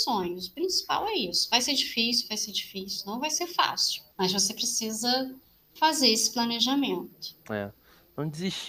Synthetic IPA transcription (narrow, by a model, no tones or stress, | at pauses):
sõɲʊsʊ̥pɾĩsi̥pa̰wɛisʊ̥vajseɾd͡ʒifis̬iuvajseɾd͡ʒifisiunɐ̃w̃vajseɾfa̰siwmɐzvosepɾesizɐ | fazeɾesɪ̥plɐneʒamẽnt̪ʊ̥ɛ̰ | ɐ̃w̃d͡ʒɪziʃt͡ʃ